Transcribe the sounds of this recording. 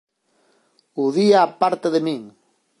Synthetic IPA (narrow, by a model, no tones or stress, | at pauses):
uðiaːpaɾt̪eðemiŋ